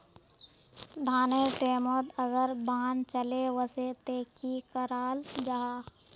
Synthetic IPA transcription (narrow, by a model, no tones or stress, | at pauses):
d̪ʱaːneʈeːmot̪əɡəɾbaːnt͡ʃəlewəset̪eːkikəɾaːld͡ʒaɦaː